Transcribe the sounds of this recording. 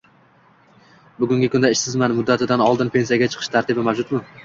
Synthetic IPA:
bʊɡʲʊŋɡʲɪkʰʊnd̪aɪʃsɪzmanɪmʊd̪ːat̪ʰɪd̪anɒlˠd̪ɪnpʰe̞nsijaɡʲat͡ʃʰɨ̥qʰɨ̥ʃt̪ʰaɾt̪ɪbɪmawd͡ʒʊt̪mɪ

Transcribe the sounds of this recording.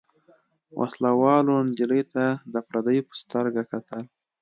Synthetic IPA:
wʔa̰slawɑlond̪iləjt̪ad̪əapɾad̪əjpə̥st̪əɾɡakat̪ʰəl

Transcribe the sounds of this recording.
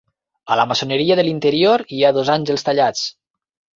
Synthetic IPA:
ələmasonəɾiəðəlint̪əɾioɾiaðozaɲʲʒəlˠst̪aʎat͡s

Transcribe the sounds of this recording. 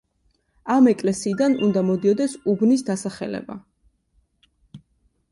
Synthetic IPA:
amɛkʼlɛsiːd̪anṵnd̪amɔd̪iɔd̪ɛsubnisd̪asaχɛ̰lɛ̰ba̰

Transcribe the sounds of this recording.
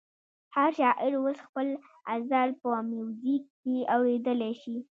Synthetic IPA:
haɾʃɑʔɪɾwosxpəl | azaɾpəmjuwzikːeawɽed̪əlɛʃi

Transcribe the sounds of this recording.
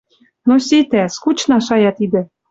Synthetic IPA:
nosʲet̪æskut͡ɕnɑʃɑjɑt̪id̪ɘ̆

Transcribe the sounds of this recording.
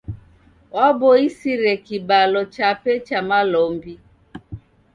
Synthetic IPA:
wabɔisiɾɛkibalɔt͡ʃapɛt͡ʃamalɔmbi

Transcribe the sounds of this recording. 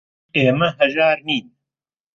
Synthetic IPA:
eːmɐɦɐzaːɾniː

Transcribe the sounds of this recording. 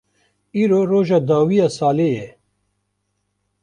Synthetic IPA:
iːɾoːɾoːʒaːd̪aːwiːjaːsaːleːjɛ

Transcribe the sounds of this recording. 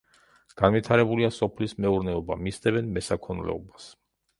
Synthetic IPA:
ɡ̥anvit̪ʰaɾɛbuliasɔpʰlismɛuɾnɛɔbamisd̪ɛvɛnmɛsakʰɔnlɛ̰ɔbas

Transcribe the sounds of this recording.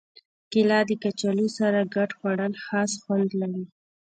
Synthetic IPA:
kɪlɑd̪əkat͡ʃalusaɾaɡaʈxwaɽəlxɑsxwand̪laɾi

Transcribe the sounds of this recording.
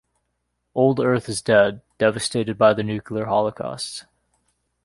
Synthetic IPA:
ʔoʊlˠdɜ˞θɨzdɛd | ɛvɨsteɪɾɨd̚baɪðɨnʉkʰliə˞hɑlˠəkʰɑ̰st

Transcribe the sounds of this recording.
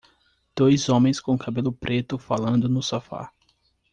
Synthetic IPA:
d̪̥ojzõmẽj̃skõkabelʊpɾet̪ʊfalɐ̃nd̪ʊnʊsafa̰

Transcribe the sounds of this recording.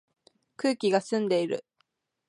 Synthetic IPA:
kɯːkʲiɡasɨ̃nd̪e̞iɾɯ̰

